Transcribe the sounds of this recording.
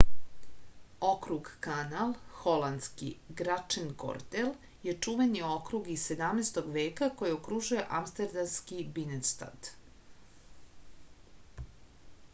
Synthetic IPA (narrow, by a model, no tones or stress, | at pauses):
o̞kɾuɡkanalˠxo̞land̪skḭɡɾat͡ʂenko̰ɾt̪el | je̞t͡ʂuʋenio̞kɾuɡie̞d̪amnest̪oɡʋe̞ːkako̞jiokɾuʒuje̞ʔamst̪eɾd̪amskibinest̪a̰d̪̥